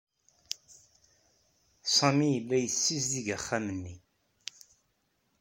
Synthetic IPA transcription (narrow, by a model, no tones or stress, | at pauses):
sˤɑmijəlːæjəsːisðiʝæχːamənːi